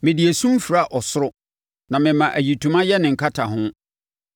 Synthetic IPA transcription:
mɪ̃˨di˨e˨sũ˦m˦fi˨ɾa˦ʔɔ˨sʊ˦ɾʊ˦ | nã˨mɪ̃˨mã˨ʔæ˨ji˨tʰũ˨mã˦jɛ˦nɪ̃˨ŋ̩˨kʰa˦tʰa˨ɦʊ̃˦

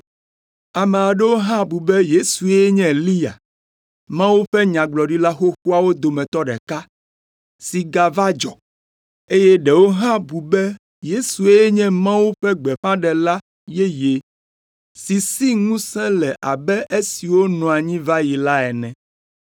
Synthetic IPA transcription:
a˨mɛ̃˨a˨ɖɛ˦wo˦ɦã˦bu˨bɛ˦je˦su˨e˦jɛ˦ɲɛ̃˦˨li˦a̰˨ | mã˦wu˦ɸɛ˦ɲã˨ɡ͡blɔ˨ɖi˦la˦xo˦xu˦a˦wo˦d̪o˨mɛ̃˨t̪ɔ˦ɖɛ˨ka˦ | si˨ɡa˨va˦d͡ʒɔ̰˨ | e˦jɛ˦ɖɛ˨wo˦ɦã˦bu˨bɛ˦ | je˦su˨e˦jɛ˦ɲɛ̃˦mã˦wu˦ɸɛ˦ɡ͡bɛ˨ɸã˦ɖɛ˨la˦ | je˦je˨ | si˨si˦ŋũ˦sɛ̃˦lɛ˨ʔa˨bɛ˦ʔe˦si˨wo˦nɔ̃˨a˨ɲĩ˦va˦ji˨la˦ɛ˨nɛ̃˨

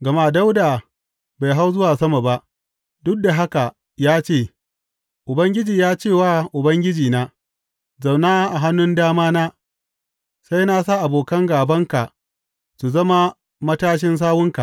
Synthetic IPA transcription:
ɡɐ˨ma˦˨da˦wdaː˨ | ba˨jɦa˦wzʊ˦waː˨sɐ˦ma˨ba˦ʔ | dʊ˦k̚da˨ɦa˦ka˨ | jaː˦t͡ʃeː˦˨ | ʔʊ˨bɐ˦ŋɡʲɪ˦d͡ʒiː˨jaː˦t͡ʃeː˦˨waː˦ʔʊ˨bɐ˦ŋɡʲɪ˦d͡ʒiː˨naː˦ | zɐ˨wnaː˦ʔa˨ɦa˦nːʊ˦ndaː˦maː˦naː˦ | sa˦jna˦sa˦˨ʔa˨boː˨kɐ˦ŋɡaː˨bɐ˦ŋka˨ | su˨zɐ˦ma˦ | mɐ˦taː˦ʃ̬ɪ˦ns̬aː˦wʊ˦ŋka˨ʔ

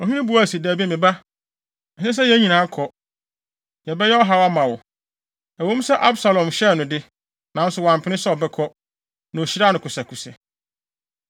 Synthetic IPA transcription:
ɔ˨hĩ˦nɪ̃˦bu˨aː˦˨si˨dæː˨bi˦ɛ˦mɪ̃˨ba˦˨ | sɛ̃˦s̬ɛ˦jɛ˦ɲĩ˨nãː˨˦kʰɔ˨ | jɛ˨bɛ˦jɛ˦ɔ˦ɦa˨wa˦mã˨wɔ˨ | ɛ˨wõ˦m˦sɛ˦ʔa˦bsa˨lɔ̃˨mɕɛ˦˨nʊ̃˨dɪ˦ | nã˨˦n˦sʊ˨wã˨m˨pʰɪ˨nɪ˦sɔ˦ɔ˨bɛ˦kʰɔ˦ | nã˨ɕi˦ɾa˦˨nʊ̃˨kʰʊ˨sa˨kʰu˨sɛ˨

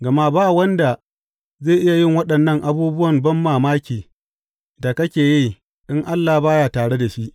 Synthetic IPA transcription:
ɡɐ˨ma˦baː˦˨wɐ˦nda˨ | zeː˦˨ʔɪ˦ja˨jɪ˦˨ŋwɐ˦ɗɐ˨nːɐ˦˨ŋʔa˦buː˦bʊ˦wɐ˨mbɐ˦mːaː˨maː˦kʲiː˨ | da˨kɐ˦kʲeː˨ji˦˨ | ɗɪ˦ŋʔa˦lːa˨baː˦jaː˨taː˨ɽe˦da˨ʃi˦ʔ

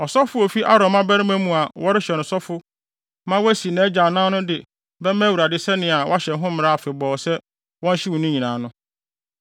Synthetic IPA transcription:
ɔ˨sɔ˦fʊ˦o˨fi˦ʔa˦ɾɔ̃˨mã˦bæ˦ɾɪ̃˦mæ̃˦mũ˨a˨wɔ˦ɾɪ˦ɕɛ˨nʊ̃˨sɔ˦fʊ˦ | mã˦wæ˦si˨nã˨æ˦d͡ʑa˨nã˦nʊ̃˦dɪ˨ | bɛ˦mæ̃˦wu˨ɾa˨dɪ˦sɛ˦nɪ̃˨a˨wʔa˦ɕɛ˨n˦ɦʊ̃˦mɪ̃˦ɾa˦˨fɪ˨bɔː˨sɛ˦ | wɔ̃˦n˦ɕɪ˦wɔ̃˨nʊ̃˦ɲĩ˨nãː˨nʊ̃˦

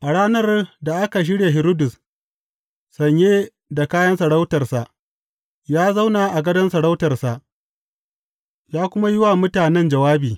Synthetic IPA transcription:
ʔa˨ɽaː˦nɐ˦rda˨ʔa˦ka˨ʃ̬ɪ˦ɽeː˨ɦɪ˨ɾoː˦dʊ˨s | sɐ˨ɲjeː˦ | da˨kaː˦jɐ˦nsa˨ɽa˦wtɐ˨rsa˨ʔ | jaː˦za˦wna˨ʔa˨ɡɐ˦dɐ˦nsa˨ɽa˦wtɐ˨rsa˨ʔ | jaː˦kʷʊ˦ma˦jɪ˦wa˨mʊ˦taː˨nɛ˦nd͡ʒɐ˨waː˦biː˨

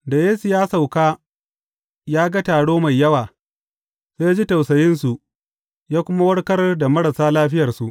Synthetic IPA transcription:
da˨jeː˦su˨jaː˦sa˨wkaː˦ | jaː˦ɡa˦taː˨ɽoː˦ma˨jːɐ˦waː˨ | seː˦jaː˦d͡ʒi˦ta˨wsɐ˨jɪ˦nsu˨ʔ | jaː˦kʷʊ˦ma˦wɐ˦ɽkɐ˦rda˨mɐ˦ɽɐ˨saː˦laː˦ɸɪ˦jɐ˨rsu˨ʔ

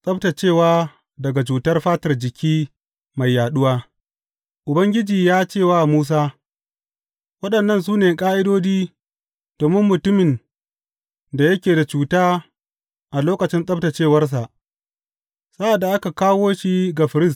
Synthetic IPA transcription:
sʼɐ˦b̚ta˨t͡ʃeː˦˨waː˦ | dɐ˨ɡa˨t͡ʃuː˨tɐ˦rɸaː˦tɐ˨rd͡ʒɪ˨kʲʰiː˦ | ma˨jːaː˨ɗʊ˦waː˦ | ʔʊ˨bɐ˦ŋɡʲɪ˦d͡ʒiː˨jaː˦t͡ʃeː˦˨waː˦˨muː˦s̬aː˦ | wɐ˦ɗɐ˨nːɐ˦˨ns̬uː˦neː˨kʼaː˦ʔɪ˦doː˦d͡ʒiː˦ | d̥oː˨mɪ˦mːʊ˨tʊ˦mɪ˨n | da˨jɐ˦kʲeː˨da˨t͡ʃuː˨taː˦ | ʔa˨loː˦kɐ˨t͡ʃɪ˦nsʼɐ˦bta˨t͡ʃeː˦˨wɐ˦rs̬a˨ʔ | sa˦ʔa˨dːa˨ʔa˦ka˨kaː˦woː˦ʃi˦ɡa˨ɸɪ˨ɾɪ˦s̬t

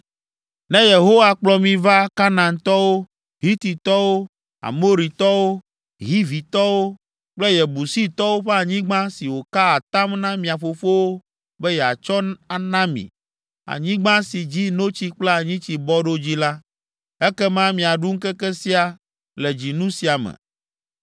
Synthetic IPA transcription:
nɛ̃˦je˨ɦo˦wa˨k͡plɔ˨mĩ˨va˦ka˦nã˨nt̪ɔ˦wo˦ | ɦi˦t̪i˨t̪ɔ˦wo˦ | a̰˨mo˦ɾi˨t̪ɔ˦wo˦ | ɦi˦vi˨t̪ɔ˦wo˦ | k͡plɛ˦jɛ˨bu˨si˦t̪ɔ˦wo˦ɸe˦a˨ɲĩ˦ɡ͡bã˦si˨wo˨ka˦a˨t̪a˦mnã˦mĩ˨a˨ɸo˨fo˦wo˦ | bɛ˦jɛ˨a̰˨t͡ʃɔ˦a˨nã˦mḭ̃˨ | a̰˨ɲĩ˦ɡ͡bã˦si˨d͡ʑi˦no˦t͡ɕi˦k͡plɛ˦a˨ɲĩ˦t͡ɕi˨bɔ˦ɖo˦d͡ʑi˦la˦ | ɛ˦kɛ˦mã˦mĩ˨a˨ɖu˦ŋ̩˦kɛ˦kɛ˦si˦a˨ | lɛ˨d͡ʑi˨nũ˦si˨a˨mɛ̰̃˨

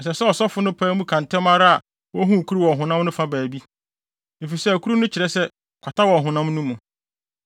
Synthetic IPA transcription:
ɛ˨s̬ɛ˨sɛ˦ɔ˨sɔ˦fʊ˨˦nʊ̃˦pʰɛː˦mũ˦kʰã˨n˨tʰɛ̃˦ma˦ɾa˦a˨ | wɔ˦ɦũ˦˨kʰu˦ɾi˦wɔ˨ɦʊ̃˨nã˦mnʊ̃˦fa˦bæː˨bi˦ | ne˨fi˨sɛ˦æ˨kʰu˦ɾu˦nʊ̃˦t͡ɕʰɪ˨ɾɛ˦sɛ˦ | kʷʰa˨tʰa˦wɔ˨ɦʊ̃˨nã˦mnũ˦mũ˨

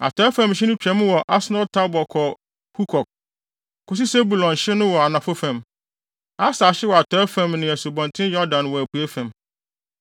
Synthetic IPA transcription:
a̰˨tʰɔ˨˦ɛ˦fã˦˨mɕɪ˦nʊ̃˦t͡ɕᶣɛ̃˨˦mʊ̃˦wɔ˨ʔa˦snɔ˦ltʰa˦bɔ˨kʰɔ˨ | pʰu˦kʰɔ˨k̚ | kʰʊ˦s̬i˦se˦bu˨lɔ̃˨nɕɪ˦nʊ̃˦wɔ˨a˨nã˨fʊ˦fæ̃˨m | a˦sa˨ɕɪ˦wɔ˨a˨tʰɔ˦fæ̃˨mnɪ̃˨æ˨su˨bɔ̃˨ntʰɪ̃˦jɔ˦dã˨nwɔ˨æ˨pʰu˨æ˦fæ̃˨m

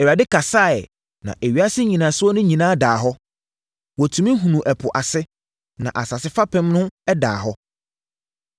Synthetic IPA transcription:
ɛ˨wa˨dɪ˦kʰa˨saː˦˨ɛ̰˨ | nã̰˨ʔe˨ɥi˨a˦sɪ˦ɲĩ˨nã˨sʊ˦wɔ˦nʊ̃˦ɲĩ˨nãː˦daː˨ɦɔ˦ | wɔ˨tʰũ˨mĩ˦ɦũ˨nũ˨ʔɛ˨pʰʊ˨ʔa˨sɪ˦ | nã˨ʔa˨sa˨sɪ˦fa˦pʰɛ̃˦mnʊ̃˦ɛ˦da̰ː˨ɦɔ˦

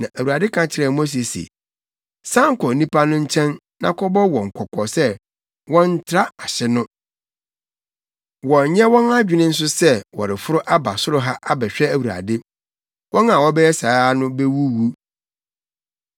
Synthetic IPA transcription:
nã˨ʔæ˨wu˨ɾa˨dɪ˦kʰã˦t͡ɕʰɪ˦ɾɛ˨mo˦s̬e˨sḛ˨ | sã˦ŋ̩˦kʰɔ˨nĩ˦pa˦nʊ̃˦ɲ̩˦t͡ɕʰɛ̃˦n | nã̰˨kʰɔ˦bɔ˦wɔ̃˨ŋ̩˨kʰɔ˨kʰɔ˨sɛ˦ | wɔ̃˦n̩˦tʰɾa˦a˨ɕɛ˦nʊ̃˦ | wɔ˨ɲ˨ɲɛ̃˦wɔ̃˦na˦d͡ʑᶣɪ˨nɪ̃˦n̩˦s̬ʊ˦sɛ˦wɔ̰˨ɾɪ˨fʊ˦ɾʊ˦ʔa˦ba˨sʊ˦ɾʊ˦ɦa˦ʔa˦bɛ˨ɕᶣɛ˦æ˨wu˨ɾa̰˨dɪ˦ | wʔɔ̃˦nã˨wɔ˦bɛ˦jɛ˦sa˨˦nʊ̃˦be˦wu˦wu˦

